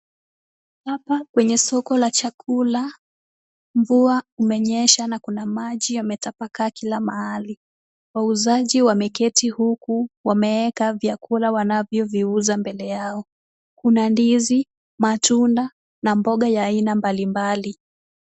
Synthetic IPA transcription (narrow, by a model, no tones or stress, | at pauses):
hapakwɛɲɛsɔkɔlat͡ʃakʰula | ɱvuaumɛɲɛʃanakunamaʄijamɛtapakakilamahali | wauzaʄiwamɛkɛtihukuwamɛɛkavjakʰulawanavjɔviuzambɛlɛjaɔ | kunandizi | matunda | nambɔɠajaːinambalimbali